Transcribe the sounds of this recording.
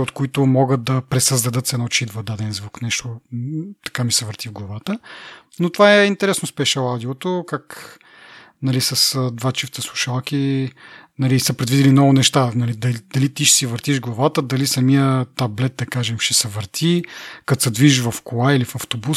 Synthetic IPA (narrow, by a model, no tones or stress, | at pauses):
ot̪koit̪ʊmɔɡət̪̚d̪ɐpɾɛsəzd̪ɐd̪ɤt̪sɛnɔt͡ʃid̪vɐd̪ad̪ɛnzvuknɛʃt̪ot̪ɐ̥kamisɛvəɾt̪ivɡlˠɐvat̪ənot̪ovaɛint̪ɛɾɛsnospɛʃɛlad̪iot̪okak | nɐlisɐsd̪vat͡ʃift̪əslˠuʃalˠki | nɐlisəpɾɛd̪vid̪ilinɔvʊnɛʃt̪anɐlid̪ɐd̪̥ɐlit̪iʃɛ̥sivəɾt̪iʒɡlˠɐvat̪əd̪ɐlisɐmiət̪ablɛt̪̚d̪ɐkaʒɛmʃɛsɛvəɾt̪ʰikɐt̪sɛd̪viʒʒvɐfkolailifɐft̪obus